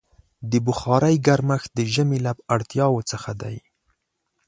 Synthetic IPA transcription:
d̪əbʊxɑɾajɡaɾmaxd̪əʒəmelabaɽt̪jɑwot͡səxad̪a̰j

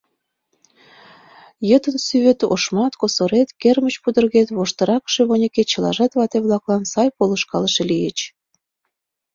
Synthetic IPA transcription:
jət̪ənsyβet̪o̰ʃmɑt̪kosoɾet̪kermət͡ɕpud̪ə̆rɣet̪βoʃt̪əɾɑkʃeβonʲəket͡ɕəlɑ̰ʒɑt̪βɑt̪eβlɑklɑnsɑjpolə̆ʃkɑləʃelijet͡ɕ

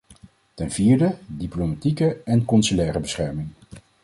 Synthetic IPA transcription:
tɛnviːɹdədiplomatikəɛnkɔnsylɛːrəbəsχɛɹmɪŋ

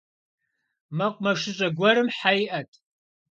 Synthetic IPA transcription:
mɐqʷʼmɐʂɪɕʼɐɡʷɔɾɨmħajʔɐtʼ

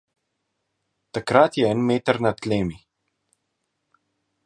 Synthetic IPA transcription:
t̪akɾat̪jɛɛnmeːt̪əɾnat̪leːmi

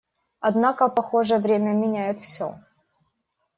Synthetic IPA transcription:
ɐd̪nakəpɐxo̞ʐəjəvɾʲemʲəmʲɪnʲæjɪt̪fsʲo̰

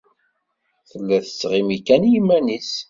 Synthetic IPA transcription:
θəlːæθə̥sʁimikænjimːænis

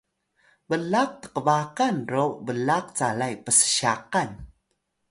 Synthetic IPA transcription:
bəlak̚tə̥qəbakanrowbəlaq̚t͡salajpəsə̥ɕaqan

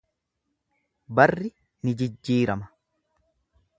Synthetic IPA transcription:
bɐrːɪ | nɪd͡ʒɪd͡ʒːiːɾɐmɐ

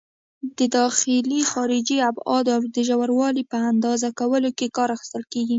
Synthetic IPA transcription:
d̪̥əd̪ɑxɪlixɑɾɪd͡ʒiabɑd̪awd̪əʒawaɾwɑlipəand̪ɑzakawəlokekɑɾaxɪ̥st̪əlkeɡi

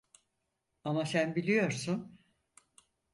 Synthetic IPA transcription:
amasænbilʲijo̞ɾsun

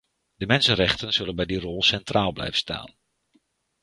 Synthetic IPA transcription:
dəmɛnsənrɛχtənz̥ɵlənbɛjdirɔlˠsɛntraːlˠblɛ̰jvəsta̰ːn

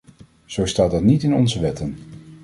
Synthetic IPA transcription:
z̥owstaːt̚dɑtnitɪnɔ̰nzəʋɛtən

